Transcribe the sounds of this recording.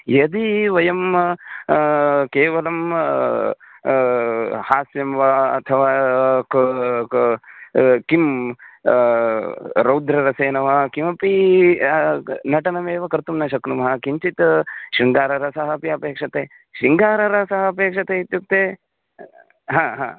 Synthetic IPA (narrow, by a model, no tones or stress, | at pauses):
jɐd̪iʋɐjɐm | keːʋɐlɐm | haːsjɐmʋɐɐ̰t̪ʰɐʋaːk | kim | ɾɐwd̪ɾɐɾɐseːnɐʋɐkimɐpi | nɐʈɐnɐmeːʋɐkɐɾt̪umnɐʃɐknumɐɦɐkiɲt͡ʃit̪ʃiŋɡaːɾɐɾɐsɐɦɐpiɐpeːkʂɐt̪eː | ʃiŋɡaːɾɐɾɐsɐɦɐɐpeːkʂɐt̪eit̪juk̚t̪eː | ɦãːɦãː